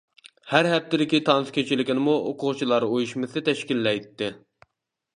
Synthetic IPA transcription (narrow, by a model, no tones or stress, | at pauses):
hæɾɦɛp̚t̪ːɪd̪ɪkʲit̪ʰɑnɨskʲʰøt͡ʃʰilɪkʲinɪmuʔoqʰʊʁt͡ʃʰilˠɑɾojuʃmɨsɨt̪ʰɛʃkʲilːɛjt̪ːɪ